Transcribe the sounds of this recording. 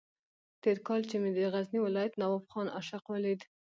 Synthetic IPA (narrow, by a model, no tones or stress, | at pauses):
t̪eɾkɑlt͡ʃemed̪əɣazniwɪlɑjat̪nawɑfxɑnaʃaqwalid̪